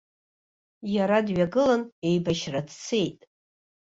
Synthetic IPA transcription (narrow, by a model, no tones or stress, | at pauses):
jaɾadɥaɡɨlane̞jbaʃradʰt͡sʰe̞jtʼ